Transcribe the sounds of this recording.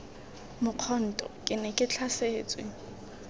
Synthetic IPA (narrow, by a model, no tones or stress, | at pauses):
mʊq͡χʰɔn̩tʼɔkʼɪnɛkʼɪt͡ɬʰaseːt͡sʼwe